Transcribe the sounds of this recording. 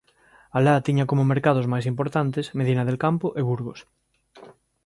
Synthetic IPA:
alat̪iɲakomomeɾkaðozmajs̬impoɾt̪ant̪esmeð̞inað̞elkampoʔeβuɾɣos

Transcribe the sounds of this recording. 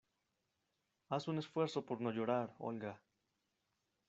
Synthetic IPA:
asune̞sfwe̞ɾso̞poɾno̞ʝo̞ɾaɾo̞̰lɡa

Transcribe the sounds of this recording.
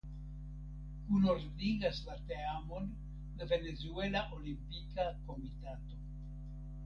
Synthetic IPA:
kunoɾdiɡaslateamo̞n | lave̞ne̞zuelaʔolimpikako̞mitato̞

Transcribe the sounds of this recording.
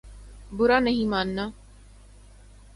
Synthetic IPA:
bʊɾaːnɐɦĩːmaːnːaː

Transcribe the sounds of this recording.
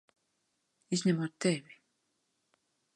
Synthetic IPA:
iznemot̪ːebi

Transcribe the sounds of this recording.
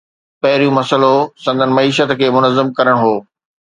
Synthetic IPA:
pɐɦɪɾijũmɐsəlosɐ̃nd̪ʱənɪ̆mɐiːʃət̪kʰeːmʊnəzːəmkɐɾəɽ̃ɦoː

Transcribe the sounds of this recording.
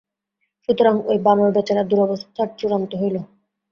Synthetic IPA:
ʃut̪oɾaŋojbamoɾbɛt͡ɕaɾad̪uɾɔbost̪ʰːaʈ̚t͡ɕuɾont̪oɦojlo

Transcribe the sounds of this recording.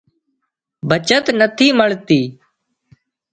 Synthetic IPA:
bʱət͡ʃət̪nət̪ʰiːməɭt̪iː

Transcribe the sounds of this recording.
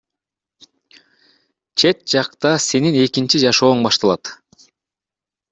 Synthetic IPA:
t͡ʃʰe̞t̪̚d͡ʒɑqt̪ɑse̞nine̞kint͡ʃid͡ʒɑʃo̞ːɴbɑʃt̪ɑlˠɑ̰t̪

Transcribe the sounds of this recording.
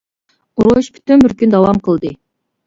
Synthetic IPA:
uɾoʃby̥t̪ynbyɾkʲynd̪ɑwɑmqəlˠd̪ɨ

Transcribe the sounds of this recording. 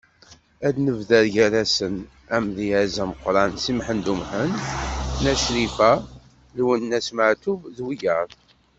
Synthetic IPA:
æd̪nəvðæɾʝæɾæsən | æmðiæzæməqːɾˤɑnsimħənd̪umħənː | æʃɾifæ | lwənːæsməʕt̪uvðwijəɾˤ

